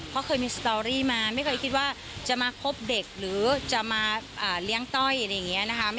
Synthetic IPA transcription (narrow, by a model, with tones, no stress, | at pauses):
kʰɔ˦˥kʰɤː˧jmiː˧st̪ɔː˧ɾiː˥˩maː˧ma˥˩jkʰɤː˧jkʰi˦t̪̚waː˥˩ | t͡ɕa˨˩maː˧kʰo˦˥p̚de˨˩k̚ɾɯː˩˦t͡ɕa˨˩maː˧ʔaː˨˩li˦˥əŋt̪ɔ˥˩jʔa˧ɾa˧ja˨˩ŋːi˦˥ɐna˦˥kʰa˦˥